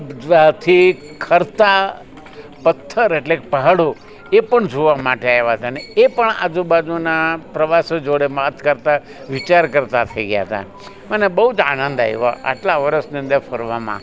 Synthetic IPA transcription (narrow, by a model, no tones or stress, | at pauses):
ʋat̪ʰi | kʰəɾt̪a | pət̪ʰːəɾeʈlekepəɦaɽo | epəɳd͡ʒoʋamaʈeaeʋaɦət̪ʰaneepəɳa̰d͡ʒubad͡ʒunapɾəʋasod͡ʒoɽemat̪ʰkəɾt̪a | ʋɪt͡ʃaɾkəɾt̪at̪ʰəiɡja̰ɦt̪ʰa̰ | mənebəɦud͡ʒa̰nə̃nd̪a̰ḭʋa̰ʔa̰ʈlaʋəɾəʃniə̃nd̪efəɾʋamã̰